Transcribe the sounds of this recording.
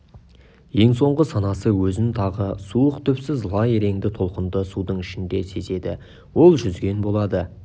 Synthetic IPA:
je̞ŋso̞ɴʁəsɑnɑsəwɵzɪnt̪ʰɑʁəsuəqt̪ʰʏpsɪzlˠɑjeɾe̞ŋd̪ɪt̪ʰo̞lˠqənd̪əsud̪əɴɪʃɪnd̪e̞se̞se̞d̪ɪ̰ | wo̞lˠʒʏzɡʲe̞nbo̞lˠɑd̪ə

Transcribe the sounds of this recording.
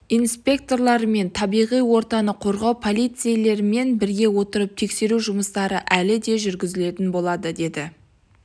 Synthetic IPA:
ijnspʲe̞k̚t̪o̞rlˠɑɾəme̞nt̪ʰɑbijʁijwo̞ɾt̪ɑnəqʰo̞ɾʁɑwpʰolʲˠijt̪sɨjele̞ɾɪme̞nbɪɾɡʲe̞wo̞t̪əɾəp̚t̪ʰe̞kse̞ɾuʒʊməst̪ɑɾəʔælɪd̪e̞ʒʏɾɡʲɪzɪle̞t̪ɪnbo̞lˠɑd̪əd̪e̞d̪ɪ

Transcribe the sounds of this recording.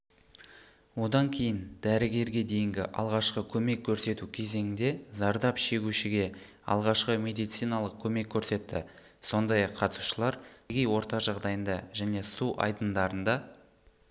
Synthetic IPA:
wo̞d̪ɑŋkʲʰe̞jɪnd̪æɾɪɡʲe̞ɾɡʲe̞d̪e̞jɪŋɡʲɪʔɑ̰lˠʁɑʃqəkʲʰɵme̞kʲʰːɵɾse̞t̪ukʲʰe̞ze̞ŋɪnd̪e̞zɑɾd̪ɑpʃe̞ɡʲuʃɪɡʲe̞ | ɑ̰lˠʁɑʃqəmʲe̞d̪ijt̪sijnɑlˠəq̚kʲʰɵme̞kʲʰːɵɾse̞t̪ːɪ̰ | so̞nd̪ɑjɑqʰːɑt̪su̥ʃəlˠɑɾɡʲejwo̞ɾt̪ɑʒɑʁd̪ɑjənd̪ɑʒæne̞suʔɑ̰jd̪ənd̪ɑɾənd̪ɑ

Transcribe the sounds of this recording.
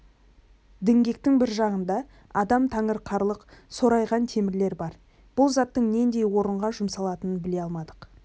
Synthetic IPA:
d̪ɪŋɡʲe̞k̚t̪ɪŋbɪɾʒɑʁənd̪ɑ | ɑd̪ɑmt̪ʰɑŋəɾqʰɑɾlˠəqso̞ɾɑjʁɑnt̪ʰe̞mɪɾle̞ɾbɑɾ | b̥ʊlˠzɑt̪ːəɴne̞nd̪e̞jwo̞ɾəɴʁɑʒʊmsɑlˠɑt̪ənənbɪle̞ɑlˠmɑd̪əq

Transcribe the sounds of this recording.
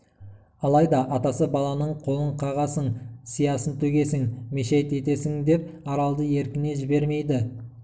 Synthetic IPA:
ɑlˠɑjd̪ɑʔɑt̪ɑsəbɑlˠɑnəɴqʰo̞lˠəɴqʰɑʁɑsəɴsijɑsənt̪ʰɵɡʲe̞sɪŋme̞ʃejt̪e̞t̪e̞sɪŋd̪e̞p̚ɑɾɑlˠd̪əe̞ɾkʲɪne̞ʒɪbe̞ɾme̞jd̪ɪ

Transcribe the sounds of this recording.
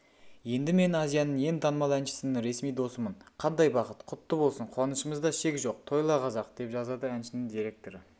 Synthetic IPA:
je̞nd̪ɪme̞nɑzijɑnəɴje̞nt̪ʰɑnmɑlˠænʃɪ̥sɪnɪŋɾe̞smijd̪o̞səməɴqʰɑnd̪ɑjbɑqət̪qʰʊt̪ːəbo̞lˠsəɴqʰwɑnəʃəməzd̪ɑʃe̞kʲʒo̞q̚t̪ʰo̞jlˠɑqʰɑzɑqd̪̥e̞pʒɑzɑd̪əænʃɪnɪŋd̪iɾe̞k̚t̪o̞ɾə

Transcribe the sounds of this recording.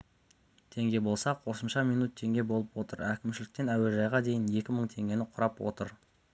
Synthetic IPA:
t̪ʰe̞ŋɡʲe̞bo̞lˠsɑqʰo̞səmʃɑmijnut̪ʰːe̞ŋɡʲe̞bo̞lˠəpwo̞t̪əɾækʲɪmʃɪlɪk̚t̪e̞næweʒɑjʁɑd̪e̞jɪne̞kʲɪməɴt̪ʰe̞ŋɡʲe̞nɪqʰʊɾɑpwo̞̰t̪əɾ

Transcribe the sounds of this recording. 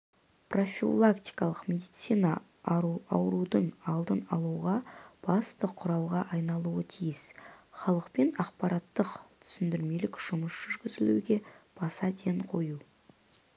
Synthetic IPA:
pro̞fʲḭlˠakt̪i̥jkɑlˠəqmʲe̞d̪ijt̪sijnɑ | ɾuɑ̰wɾud̪əɴɑlˠd̪ənɑlˠuʁɑb̥ɑst̪əqʰʊɾɑlˠʁɑʔɑjnɑlˠuət̪ʰijɪsχɑlˠəqpe̞nɑqpɑɾɑt̪ːəqt̪ʰʏ̥sɪnd̪ɪɾme̞lɪkʒ̥ʊməsʒ̥ʏɾɡʲɪzɪluɡʲe̞b̥ɑsɑd̪ʰe̞ɴqʰo̞ju

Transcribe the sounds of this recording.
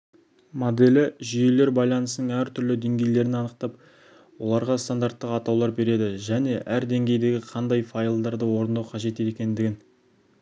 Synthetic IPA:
mod̪e̞lɪʒije̞le̞ɾbɑjlˠɑnəsənəɴæɾt̪ʰʏɾlɪd̪e̞ŋɡʲe̞jle̞ɾɪnɪɑnəq̚t̪ɑp̚ | wo̞̰lˠɑɾʁɑst̪and̪aɾt̪ːəqɑt̪ɑwlˠɑɾbe̞ɾe̞d̪ɪʒæne̞ʔæɾd̪e̞ŋɡʲe̞jd̪e̞ɡʲɪqʰɑnd̪ɑjfɑilˠd̪ɑɾd̪əwo̞ɾənd̪ɑwqʰɑʒe̞t̪et̪ekʲe̞nd̪ɪɡʲɪn

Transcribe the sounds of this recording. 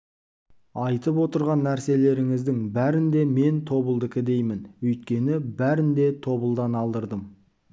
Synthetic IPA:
ɑjt̪əp̬wo̞t̪əɾʁɑnːæɾse̞le̞ɾɪŋɪzd̪ɪŋbæɾɪnd̪e̞me̞nt̪ʰo̞bəlˠd̪əkʲɪd̪e̞jmɪnwɵjt̪̚kʲe̞nɪbæɾɪnd̪e̞t̪ʰo̞bəlˠd̪ɑnɑlˠd̪əɾd̪əm

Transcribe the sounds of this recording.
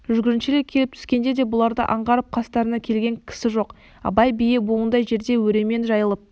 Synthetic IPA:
ʒʏʒɡʲɪɾɪnʃɪlekʲʰe̞lɪp̚t̪ʰʏ̥skʲe̞nd̪ed̪e̞bʊlˠɑɾd̪ə̰ʔɑɴʁɑɾəp̚qʰɑst̪ɑɾənɑkʲʰe̞lɡʲe̞ŋkʲʰɪ̥sɪʒo̞q | ɑ̰bɑjbijebolˠənd̪ɑjʒe̞ɾd̪e̞wɵɾe̞me̞nʒɑjəlˠəp̚

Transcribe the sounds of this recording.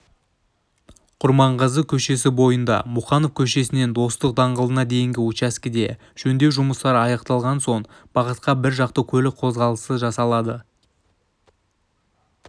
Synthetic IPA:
qʰʊɾmɑɴqəzəkʲʰɵʃe̞s̬ɪbo̞jənd̪ɑ̰muχɑnofkʲʰɵʃe̞sɪne̞nd̪o̞st̪əq̚d̪ɑɴʁəlˠənɑd̪e̞jɪŋɡʲɪut͡ʃæskʲɪd̪e̞ | ʒ̥ɵnd̪e̞wʒʊməst̪ɑɾɑjɑqt̪ɑlˠʁɑnso̞ɴ | b̥ɑʁət̪qɑbɪɾʒɑqt̪əkʲʰɵlɪk̚qʰo̞zʁɑlˠəsəʒɑsɑlˠɑd̪ə

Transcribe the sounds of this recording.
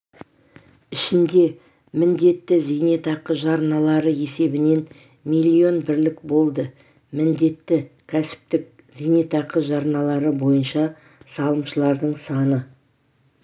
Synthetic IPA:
ɪʃɪnd̪e̞ | mɪnd̪e̞t̪ːɪzinet̪ɑqəʒɑɾnɑlˠɑɾəe̞se̞bɪne̞n | mijlʲːio̞nbɪɾlɪkbo̞lˠd̪ə | mɪnd̪e̞t̪ːɪkʲʰæsɪ̥p̚t̪ɪk̚ | zijnet̪ɑqəʒɑɾnɑlˠɑɾəbo̞jənʃɑ | sɑlˠəmʃəlˠɑɾd̪əɴsɑnə

